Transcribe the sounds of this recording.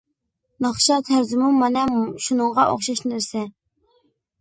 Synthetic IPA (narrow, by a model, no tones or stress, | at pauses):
nɑχʃɑt̪ʰæɾzɪmumɑnɛʃunəŋʁɑʔo̰χʃɑʃnɪɾsɛ